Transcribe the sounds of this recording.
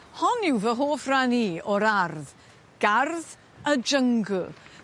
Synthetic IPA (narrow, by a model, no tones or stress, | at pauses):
hɔnɪwvəɦoːfraniːɔɾarð | ɡ̥arð | əd͡ʒəŋɡʊ